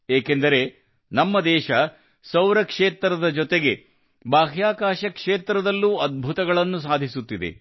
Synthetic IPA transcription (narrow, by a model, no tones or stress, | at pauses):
eːke̞nd̪ɐɾe̞ | nɐmːɐd̪ɛːʃɐ | sɐwɾɐkʂeːt̪ɾɐd̪ɐd͡ʒɔt̪eɡe̞ | baːɦjaːkaːʃɐkʂeːt̪ɾɐd̪ɐlːuːɐd̪̚bʱut̪ɐɡɐɭɐnːusaːd̪ʱisut̪ːid̪e̞̰